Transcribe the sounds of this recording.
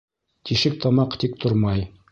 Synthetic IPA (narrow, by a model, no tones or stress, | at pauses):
t̪iʃɘk̚t̪ɑmɑqt̪ik̚t̪oɾmɑj